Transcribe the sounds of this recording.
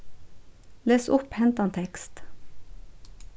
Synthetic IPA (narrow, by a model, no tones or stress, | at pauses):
leːsʊphɛnt̪ɑnt̪ʰɛkst̪